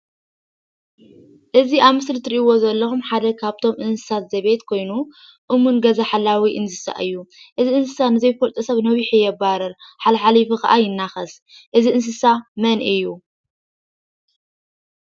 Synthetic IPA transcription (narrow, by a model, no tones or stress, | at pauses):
ʔɨziaβmɨslɨt̪ʰɨɾiʔiwo̞zɐlːɐxumħad̪ɐkʰaβt̪ʰo̞mʔɨnsɨ̥sat̪zɐβe̞t̪kʰo̞jnu | ʔɨmunɡɐzaħalːawiʔɨnsɨsa̰ʔɨjːuʔɨziɨnsɨsanɨzɐjfɐlt̪ʼusɐβnɐβiħijɛbaɾɐɾħalɐħalifuxɐ̰ʔajɪnːaxɐs | ʔɨziʔɨns̬ɨsamɐnʔɨjːu